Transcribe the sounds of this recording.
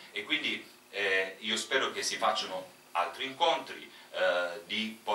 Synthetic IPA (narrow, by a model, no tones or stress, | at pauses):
ekːwind̪i | ɛiːospɛːɾok̟esːifat͡ʃːano | a̰lt̪ɾiːŋkont̪ɾḭ | d̪ipo